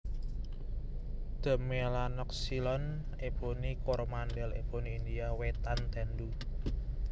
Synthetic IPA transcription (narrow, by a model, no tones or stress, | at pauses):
d̪̥ə̤melanɔk̚silɔn | eb̥onikɔɾmandɛlḛb̥oniːnd̪iawet̪ant̪ɛndu